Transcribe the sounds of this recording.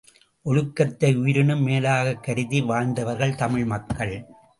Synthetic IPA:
ʔɔɻɯkːɐt̪ːɐɪʊjɪɾɪɳɯmːeːlaːɣɐkːɐɾɯðiʋaːɻnd̪ɐʋɐɾɣɐɭt̪ɐmɪɻmɐkːɐɭ

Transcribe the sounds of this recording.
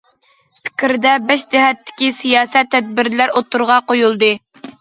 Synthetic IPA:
pʰɪ̥kʲɾɪd̪ɛbɛʃd͡ʒɛɦɛt̪ːɪ̥kʲisijɑːsɛt̪ʰːɛd̪̚bɪɾlæɾot̪ʰːuɾʁɑqojulˠd̪ɨ

